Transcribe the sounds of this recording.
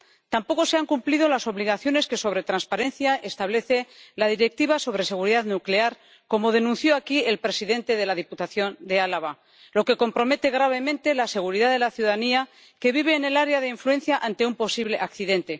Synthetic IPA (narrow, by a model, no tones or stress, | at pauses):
t̪ampo̞ko̞se̞aŋkumpliðo̞laso̞βliɣ̞aθjo̞ne̞ske̞so̞β̞ɾe̞t̪ɾanspaɾe̞nθjae̞st̪aβle̞θe̞lað̞iɾe̞k̚t̪iβ̞aso̞β̞ɾe̞se̞ɣ̞uɾiðaðnukle̞aɾ | ko̞mo̞ðe̞nũnθjoakie̞lpɾe̞siðe̞nt̪e̞ðe̞laðiput̪aθjo̞nd̪e̞alaβa | lo̞ke̞ko̞mpɾo̞me̞t̪e̞ɣ̞ɾaβ̞e̞mẽ̞nt̪e̞lase̞ɣ̞uɾiðaðe̞laθjuðaania | ke̞βiβ̞e̞ːne̞laɾeaðeiɱfluẽ̞nθjaʔant̪e̞umpo̞siβle̞ʔakθiðe̞nt̪e̞